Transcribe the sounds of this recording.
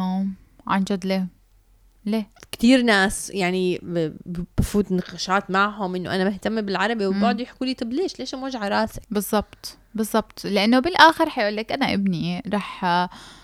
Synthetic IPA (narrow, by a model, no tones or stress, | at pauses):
oːm | ʕa̰nd͡ʒad̪le | leːkt̪iːɾnaːsjaʕni | b̥afuːt̪nɑqɑʃɑːt̪maʕɦʊmʔɪnːoʔanamɪht̪amːibɪlʕɑɾˤɑbiwbɑʕd̪ˤujɪħkuːliːt̪ˤɨbleːʃleːʃʔmoːʒʕɑɾˤɑːsɪbɨzˤːɑbt̪ˤ | bɨzˤːɑbt̪ˤlɪʔanːobɪlʔaːxɪɾˤħajʔʊlːeːkʔanaʔɪ̰bniɾˤɑːħ